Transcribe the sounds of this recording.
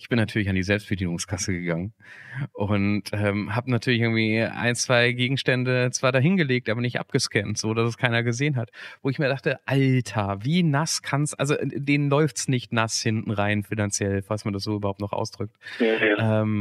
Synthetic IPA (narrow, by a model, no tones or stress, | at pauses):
ʔɪçb̥ɪnːatʰyːɐlɪçandiːzɛlpst̚b̥ədiːnʊŋskʰasəɡəɡaŋən | ʔʊntʔɛːmɦaːbənatʰyːɐlɪçɪɐɡŋ̩tv̥iːa̰ɪnt͡sv̥aɪɡeːɡŋ̩ʃtɛndət͡sv̥aːɾaːɦɪnɡəleːk̚tʔaːbɐnɪçtʔa̰p̚ɡ̥əʃkɛntz̥oːdasɛskʰaɪnɐɡəzeːənɦatvoːɪçmiːɐdaχtəʔaltʰaviːnaskʰansʔa̰lzoʔdeːnənlɔʏftsnɪçtnashɪntn̩ʁaɪnfɪnant͡sjɛlfalsmandas̬z̥oːʔybɐhaʊptnɔχʔa̰ʊsd̥ʁʏk̚tʔɛːm